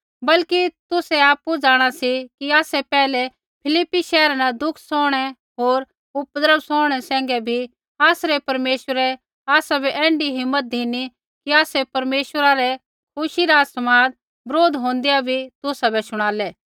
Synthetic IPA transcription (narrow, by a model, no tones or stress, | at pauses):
bɐlkit̪ʊsɛaːpːud͡ʒaːɽ̃asikiaːsɛpɛːlɛ | pʰɪlɪpːiʃɛːɾanad̪ʊkʰsɔːɽ̃ɛ | ɦoːɾ | ʊpd̪ɾəbsɔːɽ̃ɛsɛ̃ːŋɡɛbʱi | aːsɾɛpɐɾmeːʃwəɾɛ | aːsabʱɛʔɛ̃ːɳɖiɦɪmːət̪̚d̪ʱini | kiaːsɛpɐɾmeːʃwəɾaɾɛ | kʰʊʃiɾaːsɐmaːd̪̚ | bɾoːd̪ɦõːnd̪ijabʱit̪ʊsabʱɛsʊɽ̃aːlɛː